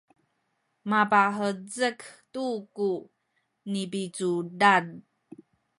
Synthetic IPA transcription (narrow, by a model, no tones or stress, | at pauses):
mapaɦəd͡zəktuku | nipit͡sudad